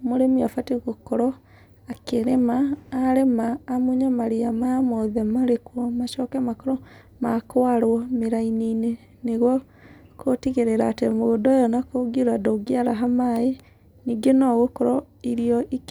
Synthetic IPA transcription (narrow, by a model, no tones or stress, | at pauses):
moɾemiafatiɣokɔɾɔ | akeɾemaːɾemaːmuɲamaɾiamaamɔðɛmaɾekwɔmaʃɔkɛmakɔɾɔ | makwaɾwɔmeɾainiːne | neɣwɔ | kʰotiɣeɾeɾaːtemoɣodɔjɔnakoɡiɾwadoɡiaɾaɦamae | niɡenɔɣokɔɾɔ | iɾiɔʔik